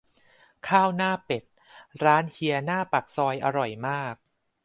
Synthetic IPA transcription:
kʰaː˥˩wnaː˥˩pe˨˩t̪̚ | ɾaː˦˥nhʰi˧ɐnaː˥˩pa˨˩k̚sɔː˧jʔa˧ɾɔ˨˩jmaː˥˩k̚

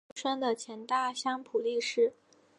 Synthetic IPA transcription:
ʂwa˥nd̪ə˨t͡ɕʰjɛ˧˥nt̪a˥˩ɕjɑ˥ŋpʰu˨˩li˥˧ʂɻ̩˥˩

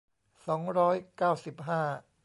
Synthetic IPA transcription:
sɔː˩˦ŋɾɔː˦˥jkaː˥˩wsi˨˩p̚ɦaː˥˩

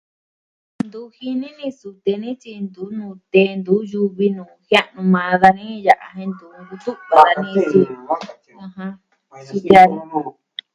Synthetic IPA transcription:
nd̪u˨˦hi˧nĩ˦nĩ˧su˧t̪e˧nĩ˦t͡ʃi˧nd̪u˨˦nũː˧˨t̪e˧˦nd̪u˨˦ju˧βi˧nũː˨hja˦ʔnũ˧mã˧ða˧nĩ˦ja˨ʔa˧ɦẽ˧nd̪u˨˦ŋɡu˧t̪u˦ʔβa˨ða˧nĩ˦t͡ʃi˧ | ã˧ɦã˧ | su˧t̪a˧ĩ˧

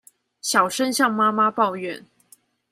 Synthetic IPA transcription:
ɕjɑ˨˩ʊʂə˥nɕjɑ˥˨ŋma˥ma˦pɑ˥˧ʊɥɛ˥˨n

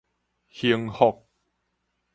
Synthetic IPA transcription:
hi˧əŋho˨˩k̚

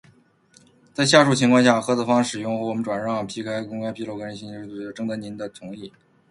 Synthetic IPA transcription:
t͡sa˥˧ɪɕ̬ja˥˧ʂu˥˩t͡ɕʰi˥ŋkwɑ˥˧ŋɕja˥˩xɤ˥t͡sʰɤ˧˩fɑ˥ŋʂɻ̩˨˩jʊ˥˩ŋxɤ˧˥wɔ˨˩mə˦nʈ͡ʂwa˨˩nɻɑ˥˩ŋpʰi˧˥kʰa˥ɪkʊ˥ŋkʰa˥ɪpʰi˥lo˥˩ʊkə˥ɻə˥ɕi˥˩˥ə˥ʈ͡ʂɤ˥ŋt̪ə˧˥ni˧˥nd̪ə˧t͡sʰʊ˧˥ŋi˥˩

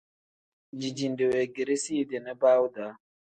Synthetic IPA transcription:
d͡ʒi˨d͡ʒi˨nde˨we˨ɡi˨ɾi˦si˦de˨nɛ˦ba˦wu˦da˨˦

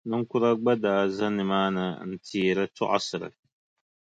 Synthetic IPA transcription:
nɨ˦ŋ˦kʊ˦ɾa˦ɡ͡ba˦daː˨za˦nɨ˨maː˦nɨ˨˦n̩˨tʰiː˨ɾɨ˦tʊ˦ʔa̰˦sɨ˨ɾɨ̰˨

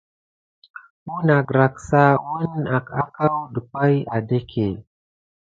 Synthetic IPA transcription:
ɓu˦na˨ɡɾa˨ksa˦wu˦na˨ka˦ka˦wɗə˨kʷa˦ja˨de˦kʰe˨

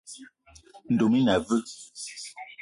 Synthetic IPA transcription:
n̩˨do˨mi˦na˨və˦

